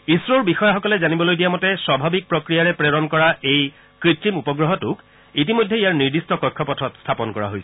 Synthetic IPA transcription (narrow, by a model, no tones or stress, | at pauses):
isɹoɹbixɔjaxɔkɔlɛzanibɔlojdijamɔtɛswabʱabik̚pɹɔkɹijaɹɛpɹeɹɔnkɔɹaej | kɹitːimupɔɡɹɔɦɔtʊk | it̬imojdʱːɛijaɹniɹdistɔkɔjkʰːɔpɔtʰɔtstʰapɔnkɔɹa̰ɦojsɛ